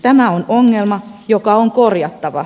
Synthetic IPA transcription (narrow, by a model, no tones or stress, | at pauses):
t̪æmæonoŋːelmɑjokɑoŋkorjɑt̪ːɑʋɑ̰